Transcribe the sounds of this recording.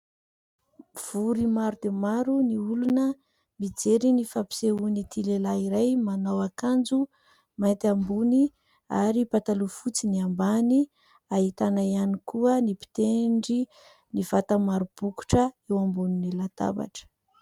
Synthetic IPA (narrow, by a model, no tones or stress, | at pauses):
v̥uɾimaɾud̪emaɾuniulunə | mid͡zeɾinifapi̥seunit̪ilelaiɾajmanawakand͡zu | mant̪ambuni | a̰ɾipat̪alufut͡siniambani | aɦit̪anaianikuənipi̥t̪eɳɖ͡ʐi | nivat̪amaɾub̥uku̥ʈ͡ʂəewambuninilat̪a̰ba̰ʈ͡ʂə̥